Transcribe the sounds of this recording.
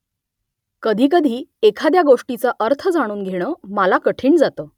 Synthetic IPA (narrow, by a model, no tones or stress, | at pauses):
kəd̪ʱiːk̬əd̪ʱiːekʰad̪jaɡoʂʈit͡səʔəɾt̪ʰəd͡zaɽ̃uːnɡʱeɽ̃əːməlakəʈʰiːɳd͡zat̪əː